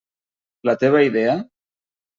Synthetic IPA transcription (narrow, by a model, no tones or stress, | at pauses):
lat̪eβ̞aiðea